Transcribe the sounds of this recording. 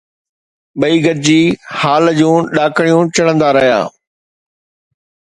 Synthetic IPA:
ɓɐiːɡɐɾɪd͡ʑiːhaːld͡ʑũːɗaːkɽ̃ijũt͡ɕɐɽ̃ə̃nd̪aɾɐɦja̰ː

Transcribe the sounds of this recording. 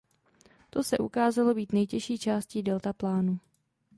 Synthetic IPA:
t̪o̞sɛʔukaːzalo̞biːt̪nɛjcɛʃiːt͡ʃaːscidɛlt̪aplaːnu

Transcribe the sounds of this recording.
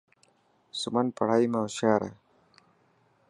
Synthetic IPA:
sumɐnpɐɽaːimaɕaːɾa̰

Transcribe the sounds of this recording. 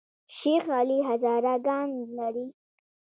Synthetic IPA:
ʃixɑliɦazɑːɾaɡɑnlaɾi

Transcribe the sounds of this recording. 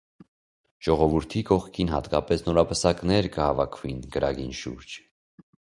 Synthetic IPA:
ʒ̥ɔʁɔvuɾt̪ʰikɔχkʰinɦɑt̪kɑpɛsnɔɾɑpəsɑknɛɾkəhɑvɑkʰvinɡəɾɑ̰ɡinʃṵɾd͡ʒ

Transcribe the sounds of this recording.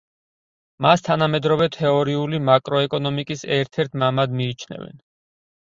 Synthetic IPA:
mast̪ʰanamɛd̪ɾɔvɛt̪ʰɛɔɾiulimakʼɾɔɛkʼɔnɔmikʼisɛɾt̪ʰɛɾt̪ʰmamad̪miːt͡ʃʰnɛ̰vɛ̰n

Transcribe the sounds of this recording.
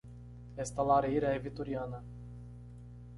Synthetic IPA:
est̪alaɾeiɾaevit̪oɾiana

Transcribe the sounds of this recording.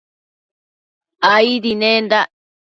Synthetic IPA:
aiðinẽnd̪a

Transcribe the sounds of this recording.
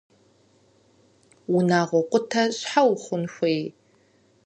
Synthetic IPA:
wʊnaːʁʷɔqʷʊtʰɐɕħawχʷʊnxʷej

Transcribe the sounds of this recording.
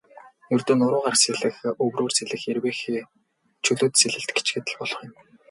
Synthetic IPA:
jɵrt̪oːnʊɾʊːɴɢarkseɮɘ̆xɵwroːrseɮɘ̆xerweːxiː | t͡ɕʰɵɮoːt̪seɮɘ̆ɬt̪ɡe̥t͡ɕɡĕːt̪ɘ̆ɮpɔɮɞ̆χjɪ̆m

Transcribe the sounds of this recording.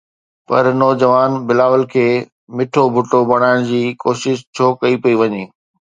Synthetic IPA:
pɐ̰ɾnɔːd͡ʑɐʋaːnbɪlaːʋəlkʰeː | mɪʈʰobʱʊʈobɐɽ̤̃aːɪɽ̃d͡ʑiːkoːʃɪʃt͡ɕʰoːkɐipɐiʋɐɲeː

